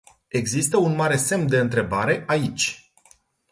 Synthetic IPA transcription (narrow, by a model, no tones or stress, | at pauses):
e̞ɡzist̪əunmaɾe̞se̞md̪e̞ɨnt̪ɾe̞baɾe̞ʔait͡ʃʲ